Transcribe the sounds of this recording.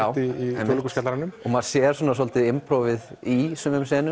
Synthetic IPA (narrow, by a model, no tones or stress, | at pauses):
awiiɛɔlkuskat̪laɾanʏmɔɣmaðsjɛːɾ̥sɔːnasɔlt̪ɪðɪmpʰɾowvɪðisʏmʏmsɛːnʏ